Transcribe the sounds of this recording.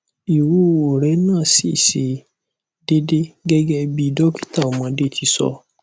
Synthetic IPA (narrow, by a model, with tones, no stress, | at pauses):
i˨wu˦o˨ɾɛ˨˦nãː˦˨si˦˨se˨ | de˦de˦ɡɛ˦ɡɛ˦bi˦˨dɔ˦ki̥˦ta˦˨o˨mã˨˧˦de˦˨ti˧˦sɔ̰˧˦